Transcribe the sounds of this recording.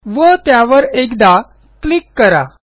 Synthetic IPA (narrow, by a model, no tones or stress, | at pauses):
ʋət̪jaʋəɾekd̪a | klikːəɾa̰